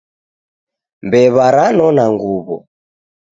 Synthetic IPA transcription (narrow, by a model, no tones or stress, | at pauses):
mbɛβaɾanɔnaŋɡuβɔ̰